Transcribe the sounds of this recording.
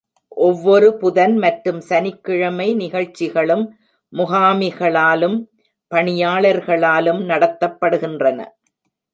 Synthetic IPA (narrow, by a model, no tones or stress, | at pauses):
ʔɔʋːɔɾɯpʊðɐnmɐʈɾɯmsɐnɪkːɪɻɐmɐɪnɪɣɐɻt͡ʃːɪɣɐɭɯmː | ʊɣaːmɪɣɐɭaːlɯm | pɐɳɪjaːɭɐɾɣɐɭaːlɯmnɐɽɐt̪ːɐpːɐɽɯɣɪndrɐnɐ̰